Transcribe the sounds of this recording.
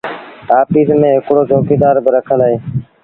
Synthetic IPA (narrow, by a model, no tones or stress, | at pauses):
ʈaːpiːsmẽːɦɪkɽoːd͡ʒʱoːkeːd̪aːɾbɪɾəkʰənd̪aːɦeː